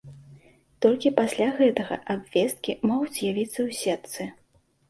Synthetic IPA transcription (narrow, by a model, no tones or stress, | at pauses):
t̪ɔlʲkʲipasʲlʲaɣɛt̪ɐɣɐ̰ʔabvʲɛst̪̚kʲimɔɣud͡zʲjavʲit̪sːɐwsʲɛt̪sɨ